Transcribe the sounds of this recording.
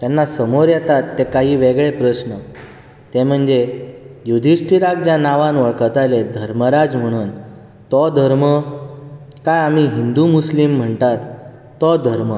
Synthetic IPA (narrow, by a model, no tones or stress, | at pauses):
t̪janːasəmoɾjɛt̪at̪ːekaɦiːʋeɡɭepɾəsnə | t̪em̤əɳd͡zejud̪ʱisʈiɾak̚d͡ʑjanaʋãnʋəɭkət̪aled̪ʱəɾməɾad͡zm̤əɽ̃uːn | t̪ɔd̪ʱəɾmə | kajam̤iɦind̪umuslim̤ːəɳt̪at̪ː | ɔd̪ʱəɾmə